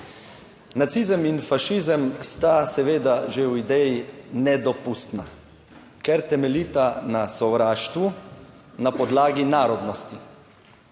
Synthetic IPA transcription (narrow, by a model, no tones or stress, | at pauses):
nat̪siːzəminfaʃizəmst̪asɛʋeːd̪aʒewid̪ɛjinɛd̪ɔpust̪na | kɛɾt̪ɛmɛliːt̪anasɔʋɾaːʃt̪ʋu | napɔd̪laːɡinaːɾɔd̪nɔst̪i